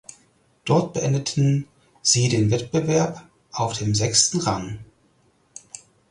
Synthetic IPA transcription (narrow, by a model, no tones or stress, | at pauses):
d̥ɔɐt̚b̥əʔɛndətʰn̩ | z̥iːdeːnvɛt̚b̥əvɛɐp | ʔaʊfd̥eːmzɛkstn̩ʁaŋ